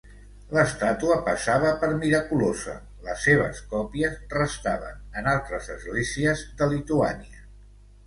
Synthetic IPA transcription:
ləst̪at̪uəpəsaβ̞əpəɾmiɾəkulozə̰ | ləsːeβ̞ə̰skɔpiəzrəst̪aβə̰nənalˠt̪ɾəzəzɣleziəzd̪əlit̪ua̰niə

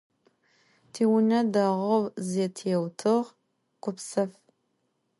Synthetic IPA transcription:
tʰiːwʊnɐdaʁɐwzɛtʰijɛwtʰɨʁ | qʷʊpsɐf

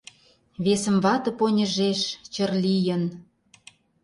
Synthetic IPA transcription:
βesə̆mβɑt̪ɤ̆ponʲə̆ʒeʃt͡ɕə̆rlʲijən

